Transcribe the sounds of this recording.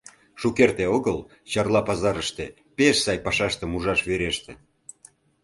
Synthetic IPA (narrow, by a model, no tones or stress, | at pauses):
ʃukert̪eoɣəl | t͡ɕɑrlɑpɑzɑɾəʃt̪e | peʃsɑjpɑʃɑʃt̪ə̆muʒɑʃβeɾeʃt̪e